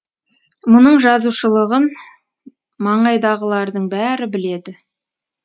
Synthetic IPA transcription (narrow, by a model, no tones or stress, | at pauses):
mʊnəɴʒɑzuʃəlˠəʁən | mɑɴɑjd̪ɑʁəlˠɑɾd̪əɴbæɾɪbɪle̞d̪ɪ